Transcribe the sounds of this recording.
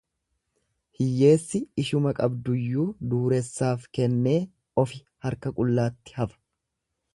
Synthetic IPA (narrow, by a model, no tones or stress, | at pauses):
hɪjːe̞ːsːɪːʃʊmɐkʼɐbd̪ʊjːuːd̪uːɾɛsːaːfkɛnːe̞ː | ɔfɪ | hɐɾkɐkʼʊlːaːt̪ːɪ̥hɐfɐ̥